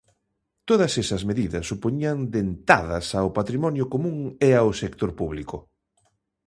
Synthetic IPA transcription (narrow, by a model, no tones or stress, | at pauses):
t̪oðɐsesɐzmeðiðɐsːupoɲiɐnd̪ent̪aðɐsaopat̪ɾimɔnjʊkomũŋeawsekt̪oɾpuβlikʊ